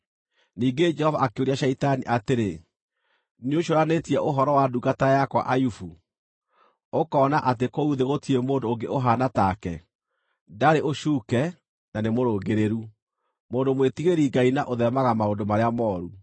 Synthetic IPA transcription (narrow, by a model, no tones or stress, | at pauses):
niːŋɡed͡ʒɛhɔvaʔakeoɾiaɕaitaniʔateɾe | nioʃoɾanetiɛʔoɦɔɾɔwaduɡatajakwa̰ʔajufu | okɔːnaʔat̬ekouðeɣotiemoːndooŋɡeoɦanatakɛ̰ | ndaɾeʔoʃuːkɛ | nanemoɾoːɡeɾeɾu | moːndomwetiɣeɾiɡainaʔoðɛmaɣamaondomaɾeamɔːɾu